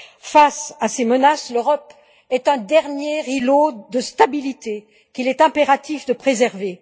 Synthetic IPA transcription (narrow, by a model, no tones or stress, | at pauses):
fasasemənasløʁɔp | ɛt̪ɛ̃d̪ɛʁnjeʁilod̪əst̪abilit̪e | kʲilɛt̪ɛ̃peʁat̪ifd̪əpχezɛʁve